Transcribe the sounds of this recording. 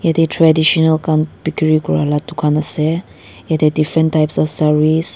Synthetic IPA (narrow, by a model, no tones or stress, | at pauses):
jad̪etʰɹadiʃɔnəlkãnbikəɹiɡua̰latːukʰãnasɛ | jad̪edifɹə̃ntʰːajpsɔfsaɹis